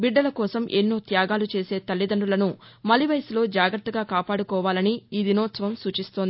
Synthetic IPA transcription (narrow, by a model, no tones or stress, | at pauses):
biɖːɐlɐkɔːsɐmʔenːoːt̪jaːɡaːlut͡ʃe̞ːse̞ːt̪ɐlːid̪ɐɳɖulɐnumɐlːiʋɐjɐslo̞ːd͡ʒaːɡɾɐt̪ːɐɡaːkaːpaːɽukɔːʋaːlɐniiːd̪inɔːt̪sɐʋɐmsuːt͡ʃist̪ond̪i